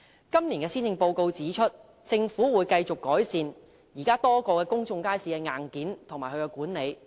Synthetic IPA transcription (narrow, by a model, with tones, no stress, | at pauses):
kɐ˥mniː˨˩nkɛː˧siː˥nɪ˧ŋpo˧wko˧wt͡siː˨˥t͡ʃʰɵ˥t̚ | t͡sɪ˧ŋfuː˨˥wuː˨˧jkɐ˧jt͡sʊ˨kːɔː˨˥jsiː˧n | jiː˨˩kaː˥t̪ɔː˥kɔː˧kɛː˧kʊ˥ŋt͡sʊ˧ŋkaː˥jsiː˧kɛː˧ŋaː˨˩nkiː˨˥nt̪ʰŋmaː˨˩hɵ˧jkɛ˧wkuː˨˥nne˨˧j